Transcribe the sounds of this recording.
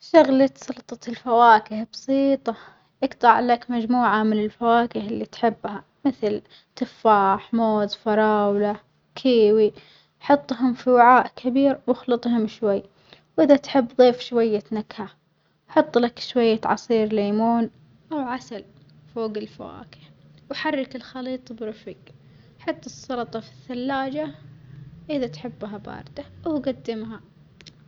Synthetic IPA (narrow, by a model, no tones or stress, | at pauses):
ʃaɣlat̪sɑlt̪ˤɑt̪ɪlfawaːkɪhbɑsiːt̪ˤɑ | ʔɪɡt̪ˤɑʕlakmad͡ʒmuːʕamɪnɪlfawaːkɪhɪlːit̪ħɪbːha | mɪθl | t̪ɨfːaːħmoːzfɑɾˤɑːwla | kʰiːwi | ħɑt̪ˤːɦʊmfiwaʕaːʔkʰabiːɾwɪxlɨt̪ˤhʊmʃwajː | wʔɪðat̪ħɪbːðˤiːfʃwajːanakha | ħɑt̪ˤːlakʃwajːaʕɑ̰sˤiːɾlaːmoːn | ʔawʕasal | foːɡɪlfawa̰ːkɪ̥ | wħarˤːɑkɪlxɑliːt̪ˤbɾʊfiːk | ħɑt̪ˤːɨsˤːɑlɑt̪ˤɑfi̥θːalːaːd͡ʒa | ʔɪðat̪ħɪbːɦabɑ̰ːɾˤd̪awɡad̪ːɪmɦa